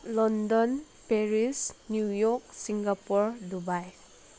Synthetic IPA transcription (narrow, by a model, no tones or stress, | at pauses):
lɔndɔn | peɾisnjujɔk̚siŋɡapuɾdubaj